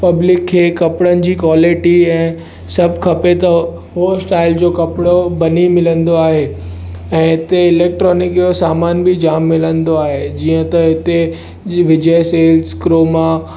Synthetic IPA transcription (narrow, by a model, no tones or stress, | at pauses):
pɐblɪkʰːeːkɐpɽənɪ̆d͡ʑiːkwaːlɪʈiɛ̃ː | sɐbʱkʰɐpet̪ɐ | ɦːsʈaːɪld͡ʑoːkɐpɽobɐnimɪlə̃nd̪oaːɦe | ɛ̃ːɪt̪eɪleːk̚ʈɾɔːnɪkjosaːmaːnbɪd͡ʑaːmːɪlə̃nd̪oaːɦed͡ʑiːə̃t̪ɐɦɪt̪e | ʋɪd͡ʑəseːlzkɾoːmã